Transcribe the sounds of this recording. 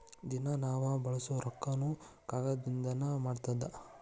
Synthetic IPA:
d̪inɐnaːʋɐbɐɭɐsuɾɐkːɐnukaːɡɐd̪ind̪ɐnɐmaːɖt̪ɐd̪ɐ

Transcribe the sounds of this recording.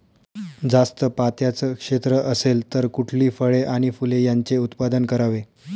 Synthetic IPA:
d͡zast̪əpat̪jat͡səkʂet̪ɾəʔəselt̪əɾkuʈʰliːfəɭeʔaɽ̃ifulejaɲt͡seut̪pad̪ənkəɾaʋe

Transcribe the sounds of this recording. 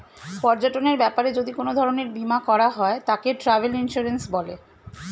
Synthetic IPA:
pɔɾd͡ʑaʈoneɾbɛpaɾed͡ʑod̪ikonod̪ʱɔɾoneɾbimakɔɾaɦɔet̪akeʈɾavelinʃuɾensbɔle

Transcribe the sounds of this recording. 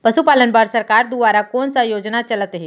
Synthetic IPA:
pəsupaːlənbaɾsəɾkaːɾd̪uʋaːɾakoːnsajoːd͡ʒnat͡ʃɐlət̪ɦeː

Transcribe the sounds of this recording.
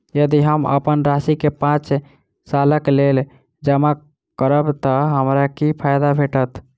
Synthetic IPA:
jəd̪iɦəmə̰pənɾasikepãt͡ʃ | saləklel | d͡ʒəma | kəɾəbt̪əɦəmɾakipʰajd̪abʱeʈət̪ʰ

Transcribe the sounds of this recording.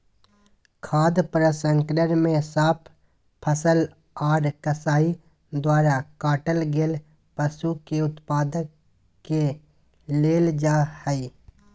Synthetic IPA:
kʰaːd̪pɾəsə̃ŋkɾəɾmẽsaːpʰ | pʰːəsəl | aːɖkəsaːi | d̪waːɾakaːʈəlɡeːl | pəsukeʊt̪paːd̪əkː | e | leːld͡ʒaːhɛi

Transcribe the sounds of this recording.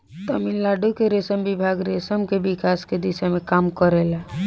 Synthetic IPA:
t̪əmillaːɖukeɾesəmbɪbʱaːɡɾesəmkebɪkaːsked̪ɪsemẽkaːmkəɾelɛ

